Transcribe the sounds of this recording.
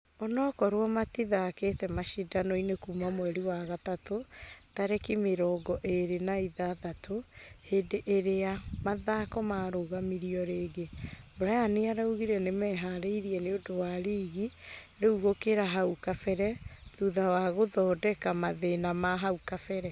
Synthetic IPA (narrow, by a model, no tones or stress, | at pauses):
ɔnɔkɔɾwɔmatiðaketɛmaʃidanoinekumamwɛɾiwaɣatatotaɾɛkimeɾɔːɡɔʔeɾenaiðaðatʰoheːdeʔeɾeamaðakɔmaɾoɣamiɾiɔɾeːɡeboɾajaneaɾauɣiɾɛnemɛɦaɾeiɾiɛneodowaɾiːɣi | ɾeuɣokeɾaɦaukafɛɾɛðuðawaɣoðɔːdɛkamaðenamaɦaukafɛɾɛ